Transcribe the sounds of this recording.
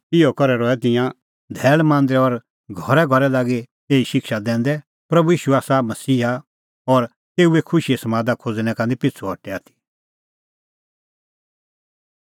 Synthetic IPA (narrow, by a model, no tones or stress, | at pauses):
ɪokɔɾɛɾɔɛt̪ɪ̃jã | d̪ʱɛːɭmãːnd̪ɾɛɔɾ | ɡʱɔɾɛɡʱɔɾɛlaːɡe | eːiʃɪkʃad̪ɛ̃ːn̆d̪ɛ | pɾɐbujiːʃuaːsamɐsiːɦa | ɔɾ | t̪eːuekʰʊʃiɛsmãːd̪akʰod͡zñɛ̃kãːnd̪ipɪt͡sʰuɦɔʈɛaːt̪ʰi̥